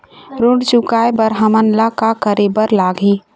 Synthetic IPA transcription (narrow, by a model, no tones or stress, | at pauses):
ɾoɽt͡ʃʊkaːebəɾɦəmənlakakəɾebəɾlaːɡi